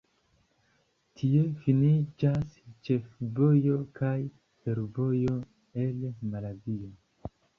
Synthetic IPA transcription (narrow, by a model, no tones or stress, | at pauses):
tʰie̞finid͡ʒast͡ʃe̞fvo̞jo̞kʰaj | fe̞ɾvo̞jo̞ | e̞lmalazio